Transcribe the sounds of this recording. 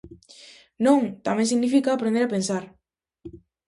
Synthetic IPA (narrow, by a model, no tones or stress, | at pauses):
nõŋt̪amẽŋsiɣnifikaːpɾend̪eɾapensaɾ